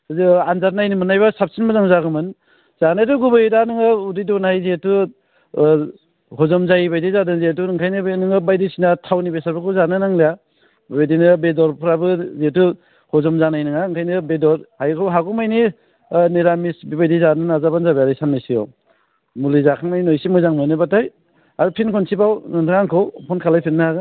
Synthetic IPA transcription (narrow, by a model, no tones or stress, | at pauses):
anzaɾnajnimɯnajbasap̚sinmazaŋzaɡɯmɯn | z̥anaɾuɡubajdanɯŋɯudidonajzetu | ɦɔzɔmzajibajdizadɯŋzet̬uŋkʰajnɯnɯŋɯbajdisinatʰawnibesaɾbɯkʰɯzanɯnaŋleja | bejdinɯbedɔɾpʰɯɾabɯzetu | hɔzɔmzanajnɯŋaɯŋkʰajnɯbedɔɾhajkʰɯwɦaɡɔmajni | neɾamisbibajdizanɯnazabanzabaɾajsanmajsijɔ̰ | mulizakʰaŋnajnɔjsimɔjzaŋmɔjnɯbataj | aɾupʰinkʰɔnsibawnɯndʰaŋaŋkʰɔwpʰɔnkʰalajpʰinːaaɡa